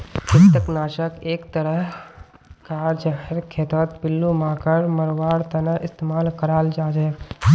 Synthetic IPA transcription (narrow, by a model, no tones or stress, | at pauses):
kɪst̪əknaːʃəkeːkt̪əɾəɦ | ɡaːɾd͡ʒəɦəɾkʰeːt̪ɔːt̪̚pɪlːumãːkəɾməɾʋaːɽt̪ɐnəʔɪst̪eːmaːlkəɾaːld͡ʒaːd͡ʒə